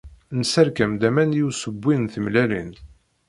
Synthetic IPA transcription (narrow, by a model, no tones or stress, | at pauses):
nəsæɾkæmd̪æmænjusəbʷːinθəmlælḭn